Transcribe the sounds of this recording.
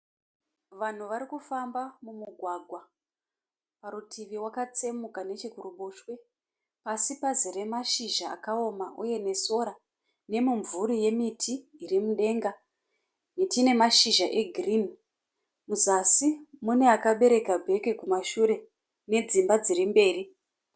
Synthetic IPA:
ʋan̤uʋaɾikufambamumuɡʱwaɡʱwa | paɾutʰiʋiwakat͡se̞mukane̞t͡ʃikuruɓoʃwe̞ | pasipazire̞maʃiʒa̰ːkao̞maʔuje̞ne̞so̞ɾa | ne̞muɱvuɾije̞mitʰiːrimuɗe̞ŋɡa | netine̞maʃiʒaʔe̞ɡʱriːn | muzasimune̞akaɓe̞ɾe̞kabʱe̞ke̞kumaʃuɾe̞ | ne̞d͡zimbad͡ziɾimbe̞ːri

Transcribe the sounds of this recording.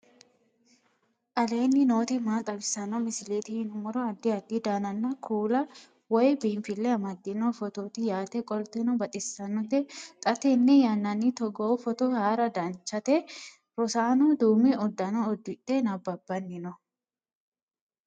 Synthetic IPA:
ʔɐle̞ːnːɪno̞ːt̪ɪmaːt̪ʼɐbɪsɐnɔmɪsɪleːt̪ɪhɪnʊmɔɾɔɐd̪ːɪɐd̪ːɪd̪aːnɐnːɐkʰuːlɐ | wɔjbiːnfɪlːɛɐmɐd̪ːɪnɔfɔt̪oːt̪ɪjaːt̪ɛkʼɔlt̪ɛnɔbɐt̪ʼɪsːɐnːɔt̪ɛt̪ʼɐt̪ɛnːɛjɐnːɐnːit̪ɔɡoːfɔt̪ɔhaːɾɐd̪ɐnt͡ʃːɐt̪ɛ | ɾɔsaːnud̪uːmɪɔd̪ːɐnɔːd̪ːɪᶑenɐbːɐbːɐnːɪnɔ

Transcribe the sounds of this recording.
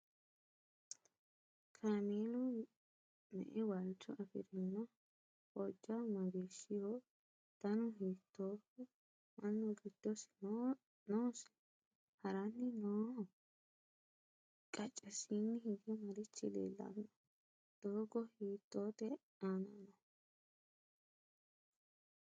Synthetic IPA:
kʰameːlʊ | mɛ̰ʔɛwɐlt͡ʃːɔʔɐfɪ̰ɾɪnːɔ | pɔd͡ʒːɐmɐɡeːʃːɪho | t̪ɐnʊɦiːt̪ːoːfɛ | mɐnːɔɡɪd̪̥ːɔsɪ̥n | noːsɪ̥ | hɐɾɐnːɪnoː | kʼɐt͡ʃʼːɛsiːnːɪhɪɡɛmɐɾɪt͡ʃːɪlḛːlːɐ̰nːɐ | d̪̥oːɡɔhiːt̪ːoːt̪ɛ | aːnanɐ

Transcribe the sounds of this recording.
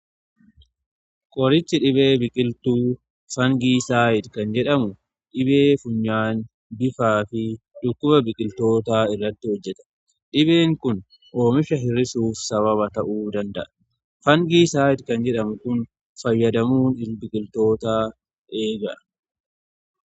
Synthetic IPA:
kʼɔɾɪt͡ʃːɪᶑɪbe̞ːbɪkʼɪlt̪uː | fɐŋɡiːsaːjɪd̪kɐnd͡ʒɛᶑɐmʊ | ᶑɪbe̞ːfʊɲːaːn | bɪfaːfɪ | ᶑʊkːʊbɐbɪkʼɪlt̪o̞ːt̪aːɪrːɐt̪ːɪhɔd͡ʒːɛt̪ɐ̥ | ᶑɪbe̞ːŋkʊn | ʔo̞ːmɪʃɐɦɪrːɪsuːfsɐβɐβɐt̪ɐʔuːd̪ɐnd̪ɐʔɐ̥ | fɐŋɡiːsaːjɪd̪kɐnd͡ʒɛᶑɐmʊkʊn | fɐjːɐd̪ɐmuːnɪbɪkʼɪlt̪o̞ːt̪aː | ʔe̞ːɡɐʔɐ̥

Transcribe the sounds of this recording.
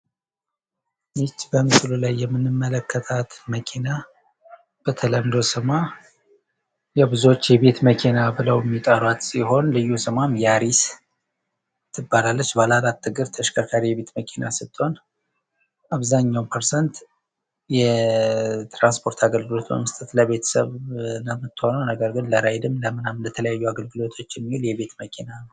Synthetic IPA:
nɨt͡ʃːbəmɨslulajːɛmːɨnːɨmːələkʰːət̪ʰat̪məkʰina | b̥ət̪ʰələmd̪o̞sɨma | jɛbɨzuwot͡ʃːjɛβe̞t̪məkʰinabɨləwjɛmːit̪ʼəɾwat̪siho̞nlɨjːusɨmamjaɾis | t̪ʰːɨbːalalːət͡ʃːbalalat̪ːɨɡɨɾt̪ʰəʃkʰəɾkʰaɾijɛβe̞t̪məkʰina̰sɨt̪ʼːon | ʔaβzaɲːawmpʰəɾsənt̪ | jɛ | t̪ɾanspʰo̞ɾt̪ʰaɡəlɡɨlo̞t̪bə̰mːɨst̪ʼɨt̪ləβe̞t̪ʰə̥sə̰βnəmːɨt̪ːɨho̞nəwnəɡəɾɡɨnləɾajd̪ɨmləmɨnamlət̪ʰələjajːuaɡəlɡɨlo̞t̪ʰo̞t͡ʃːjɛmːihuljɛβe̞t̪məkʰinanəw

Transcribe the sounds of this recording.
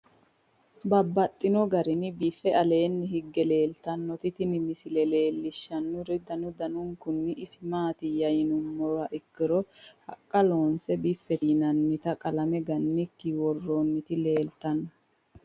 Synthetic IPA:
bɐbːɐt̪ʼːɪnɔɡɐɾɪnɪbifːɛɐle̞ːnːɪhɪɡːɛle̞ːlt̪ɐnːɔt̪ɪt̪ɪnɪmɪsɪlɛle̞ːlːɪʃːɐnːʊɾɪd̪ɐnʊd̪ɐnʊŋkʊnːɪʔɪsɪmaːt̪ɪjɐjɪnʊmːɔɾwɐʔɪkːɪɾɔhɐkʼːɐlo̞ːnsɛbifːɛt̪inɐnːɪt̪ɐkʼɐlɐmɛɡɐnːɪkːɪwɔrːoːnːɪt̪ɪle̞ːlt̪ɐnːɔ

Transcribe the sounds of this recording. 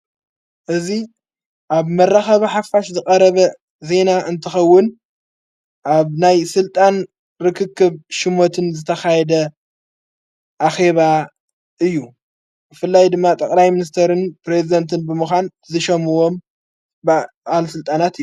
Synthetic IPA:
ʔɨzi | ʔaβmɐrːaxɐβiħafːaʃzɨkʼɐɾɐβɐ | ze̞naʔɨnt̪ʰɨxɐwːʊn | ʔaβnajsɨlt̪ʼan | ɾɨkʰɨkʰːɨβʃɪmo̞t̪ʰɨnzɨt̪ʰɐxajɛd̪ɐ | ʔaxe̞βa | ʔɨjːu | bɨfɨlːajd̪ɨmːat̪ʼɐkʼlajminis̬t̪ʰeɾɨnpɾe̞zid̪ɐnt̪ʰɨnbɨmɨxʷan | zɨʃɐmɨwo̞m | b | ʔalsɨlt̪ʼanat̪ɨjːu

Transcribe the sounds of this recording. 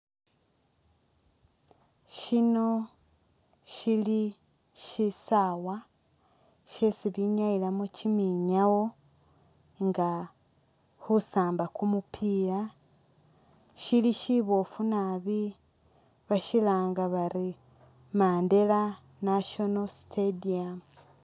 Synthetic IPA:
ʃino̞ | ʃili | ʃisawa | ʃesiβiɲailamucimiɲawo̞ | ŋɡa | husaːmbakumupʰia | ʃiliʃiβo̞funaβi | βaʃilaːŋɡaβaɾi | maːnde̞la | naʃonostʰediam

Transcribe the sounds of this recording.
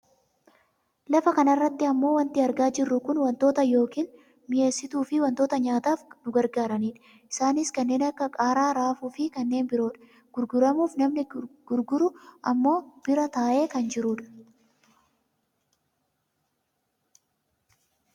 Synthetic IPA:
lɐfɐkɐnɐrːɐt̪ːɪɐmːo̞ːwɐnt̪ɪɐɾɡaːd͡ʒɪrːʊkʊnwɐnt̪o̞ːt̪ɐjo̞ːkiːn | mɪʔe̞ːsːɪt̪uːfɪwɐnt̪oːt̪ɐɲaːt̪aːfnʊɡɐɾɡaːɾɐniːᶑɐ̥ | ʔɪ̥saːnɪskɐnːe̞ːnɐkːɐkʼaːɾaːɾaːfuːfɪkɐnːe̞ːnbɪɾo̞ːᶑɐ̥ | ɡ̥ʊɾɡʊɾɐmuːfnɐmnɪɡ̥ʊɾɡʊɾʊʔɐmːo̞ːb̥ɪɾɐt̪aːʔe̞ːkɐnd͡ʒɪɾuːᶑɐ̥

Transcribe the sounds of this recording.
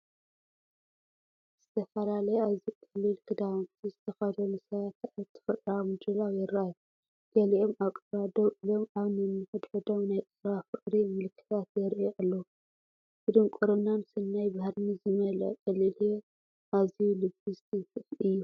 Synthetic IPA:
z̥ɨt̪ʰɐfɐlalɐjeaβzikʼɐlːɨlkʰɨd̪aβnt̪ʰizɨt̪ʰɐxɐd̪onɨsɐβat̪aβt̪ʰːɨ̥fɨt̪ʼɾawmɨd̪ɾɨlawjɛɾʔaju | ɡ̥ɐliʔomaβkʼɐɾad̪owʔɨlo̞maβnɨɨnːɨħɨd̪ħɨd̪ownajt̪ʼɨwafɨʔʼɾimɨlkʰːɨ̥t̪ʰat̪jɛɾʔeʔalːo | kɨd̪omkʼoɾonansɨnːajbahɾnizɨmɐlɐ̰ʔkʼɐlːɨlje | ʔazijulɨbɨzɨkʼɨfɨjːu

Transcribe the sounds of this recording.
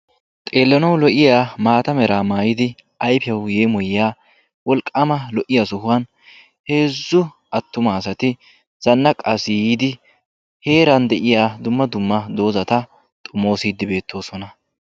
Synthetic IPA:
t̪ʼe̞ːlːɐnɐwlɔʔɪjaːmaːt̪ɐmɛɾaːmaːjɪd̪ɪ | ʔɐjpɛwje̞ːmɔjɪjaː | wɔlkʼːɐmɐlɔʔɪjasʊhʊwɐn | he̞ːzːʊ | ʔɐt̪ːʊmaːsɐt̪ɪ | z̥ɐnːɐkʼɐsɪjiːd̪ɪ | he̞ːɾɐnd̪ɛʔɪjaːd̪ʊmːɐd̪ʊmːɐd̪o̞ːzɐt̪ɐ | t̪ʼʊmo̞ːsiːd̪ːɪbe̞ːt̪ʰːo̞ːsɔnɐ

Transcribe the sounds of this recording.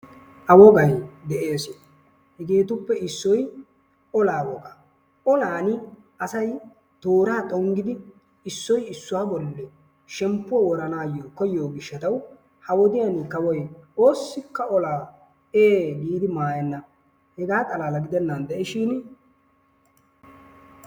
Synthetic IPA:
ʔɐwɔɡɐjd̪ɛʔe̞ːsɪ | hɛɡeːt̪ʊpːɛɪsːɔj | ɔlaːwɔɡɐ | ɔlaːnɪ | ɐsɐj | t̪oːɾaːt̪ʼɔŋɡɪd̪ɪ | ɪsːɔjɪsːʊwaːbɔlːɛ | ʃɛmpːʊwɐwɔɾɐnaːjoːkɔjːo̞ːɡɪʃːɐt̪ɐw | hɐwɔd̪ɪjɐnɪkɐwɔjoːsːɪkːɐɔlaː | eːɡiːd̪ɪmaːjɛnːɐ | hɛɡaːt̪ʼɐlaːlɐɡɪd̪ɛnːɐnd̪ɛʔɪʃɪn

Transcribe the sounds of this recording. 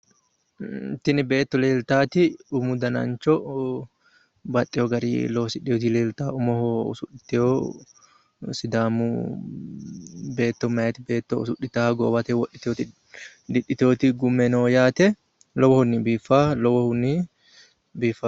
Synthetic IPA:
t̪ɪnɪbeːt̪ːɔleːlt̪aːt̪ɪʊmʊd̪ɐnɐ̰nt͡ʃɔ | bɐt̪ʼːɛjɔɡɐɾḭlɔwsɪɗɪɔt̪̬ileːlt̪aːʊmɔhoʊ̰sʊᶑɪt̪ːɛjoː | sɪd̪aːmu | be̞ːt̪ːɔmɐjɛt̪ɪbeːt̪ːɔʊsʊʔɪt̪aːɡɔ̰ːbɐt̪ɛwɔɗɪ̥t̪oːt̪ɪ | d̪ɪᶑɪt̪oːt̪ɪɡʊmːɛnoːjaːt̪ɛ | lɔwɔhʊnːɪbiːfːaːlɔwɔhʊnːɪ | biːfaː

